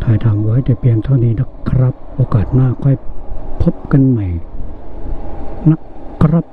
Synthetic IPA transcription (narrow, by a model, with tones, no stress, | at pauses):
t̪ʰaː˨˩jt̪ʰaː˨˩mwa˦˥jt̪ɛː˨˩pʰi˧ənt̪ʰa˥˩wniː˦˥˩na˦˥˩kʰːɾa˦˥p̚ʔoː˧kaː˨˩t̪̚naː˥˩kʰɔ˥˩jpʰo˦˥p̚ka˧nma˨˩j | na˦˥kʰːɾa˦˥p̚